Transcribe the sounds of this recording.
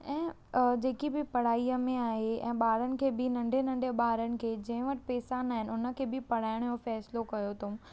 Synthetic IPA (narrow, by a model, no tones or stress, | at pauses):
ɛ̃ː | d͡ʑeːkibɪpɐɽ̤aːiəmẽaːɦeɛ̰̃ːɓaːɾənɪ̆kʰeːbɪnɐ̃ɳɖʱenɐ̃ɳɖʱeɓaːɾənɪ̆kʰeːd͡ʑɐ̃ɦɪ̃ʋɐʈɪ̥pɛːsaːnaːɦɪnɪ̆ʊnə̆kʰeːbɪpɐɽ̤aːɪɽ̃jofɛːslokɐjot̪ʰũ